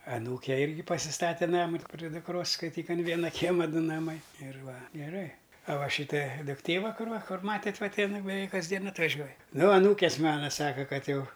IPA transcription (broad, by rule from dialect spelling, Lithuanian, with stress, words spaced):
ɐˈnuːkʲɛ ˈɪrʲɡʲɪ pɐsʲɪˈstɑːtʲɛ ˈnɑːmʊ pʲrʲɪ dʊkˈroːs skɐɪˈtʲiːk ɐn ˈʋʲiɛnɐ ˈkʲiɛmɐ ˈdʊ nɐˈmɐɪ ɪr ˈʋɐ ɡʲɛˈrɐɪ ɐ ˈʋɐ ˈʃʲiːtɐ dʊkˈtʲeː ˈʋɐ ˈkʊr ˈʋɐ ˈmɑːtʲeːtʲ ˈʋɐ tʲɪ ɪn bʲɛˈʋʲɛɪk kɐzʲˈdʲiɛn ɐtʋɐˈʒʲuɔj ˈnʊ ɐˈnuːkʲeːs ˈmɑːnɐ ˈsɑːkɐ ˈkɐt ˈjɛʊ